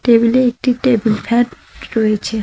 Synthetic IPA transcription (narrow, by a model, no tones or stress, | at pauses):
ʈebileek̚ʈiʈebilfʰɛɖ | ɾoet͡ɕʰe